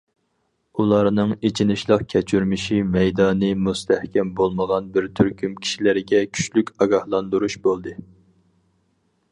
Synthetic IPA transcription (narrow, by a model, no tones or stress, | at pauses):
ulˠɑɾnɨŋet͡ʃʰinɪʃlˠəqkʲʰɛt͡ʃʰyɾmɪʃimɛjd̪ɑːnɨmust̪ʰæhkʲɛmbolˠməʁɑnbɪɾt̪ʰyɾkʲymkʲʰi̥ʃilɪɾɪɡʲɛkʲʰy̥t͡ʃlykʲɑɡɑhlˠɑnd̪uɾuʃbolˠd̪ɨ